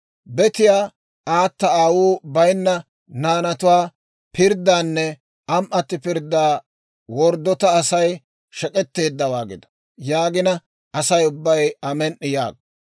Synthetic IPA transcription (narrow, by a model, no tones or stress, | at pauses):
bɛt̪ɪjaː | aːt̪ːɐaːwuːbɐjnːɐ | naːnɐt̪ʊwaː | pɪɾd̪ːaːnːɛ | ɐmʔɐt̪ːɪpɪɾd̪ːaː | wɔɾd̪ːɔt̪ɐːsɐj | ʃɛkʼɛt̪ːe̞ːd̪ːɐwaːɡɪ̰d̪ɐ̥ | jaːɡɪnɐ | ʔɐsɐjʊbːɐjɐmɛnʔːɪja̰ːɡ